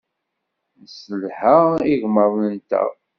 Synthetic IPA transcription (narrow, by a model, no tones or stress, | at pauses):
səlħaiʝməɾˤnənt̪æ̰